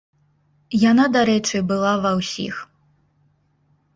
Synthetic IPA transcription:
janad̪aɾɛt͡ʂɨbɨlˠavɐwsʲḭx

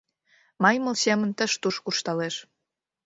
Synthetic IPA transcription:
mɑjmə̆lsemə̆nt̪əʃt̪uʃkuʃt̪ɑleʃ

